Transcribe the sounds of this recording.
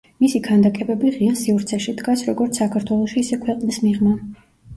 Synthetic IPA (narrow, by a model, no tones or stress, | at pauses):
misiɡʰand̪akʼɛbɛbiʁiasivɾt̪sʰɛʃid̪ɡasɾɔɡɔɾt̪ssakʰaɾt̪ʰwɛlˠɔʃiːsɛkʰwɛqʼnismiʁma